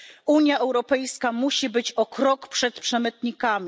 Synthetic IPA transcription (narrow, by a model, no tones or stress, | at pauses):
uɲjaɛwɾɔpɛjskamuɕibɘt͡ɕɔkɾɔkpʂɛt̪pʂɛmɘt̪ɲikamʲi